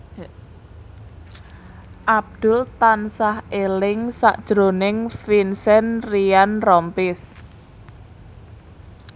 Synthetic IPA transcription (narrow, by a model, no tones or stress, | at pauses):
ʔab̚d̪̥ʊ̤lt̪ansahelɪŋsa̰ʔd̥ʒ̥ɾo̤nɪŋfinsɛnrianrɔmpɪs